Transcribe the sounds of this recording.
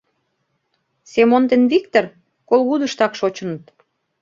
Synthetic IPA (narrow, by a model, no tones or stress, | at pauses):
semont̪enβik̚t̪or | kolɣud̪ə̆ʃt̪ɑkʃot͡ɕənət̪